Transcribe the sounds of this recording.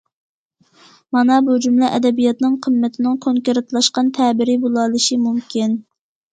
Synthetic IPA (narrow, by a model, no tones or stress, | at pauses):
mɑnɑbud͡ʒumlˠɨʔɛd̪ɛbijɑt̪nɨŋqʰəmːɪt̪ʰɪnɪŋkʰoŋkʲeɾɪt̪lˠɑʃqɑnt̪ʰɛbɪɾɪbolˠɑlˠɨʃimumkʲin